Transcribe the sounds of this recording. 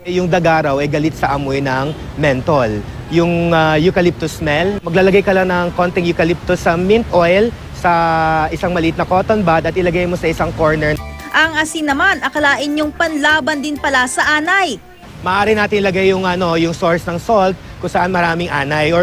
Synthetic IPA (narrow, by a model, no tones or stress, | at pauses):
jʊŋd̪ɐɡaːɾɐwɐjɡɐlɪt̪̚sɐʔɐmojnɐŋ | mɛnt̪ol | jʊŋajʊkɐlɪp̚t̪ʊsmɛlmɐɡlaːlɐɡajkɐlaŋnɐŋko̞nt̪ɛŋjʊkɐlɪp̚t̪ʊsɐmɪnt̪ʔojl | sɐʔɪsaŋmɐlit̪̚nɐko̞ːt̪onbad̪ɐt̪ʔɪlɐɡajnmosɐʔɪsaŋko̞ɹnɛɹ | ʔɐŋʔɐsiŋnɐmanʔɐkɐlaːʔɪnɲʊŋpɐnlaːbɐnd̪ɪnpɐlasɐʔaːnɐj | mɐʔaːɾɪnaːt̪ɪnlɐɡajːʊŋʔɐno̞jʊŋso̞ɹsnɐŋsolt̪̚kʊŋsɐʔanmɐɾaːmɪŋʔaːnɐjɔ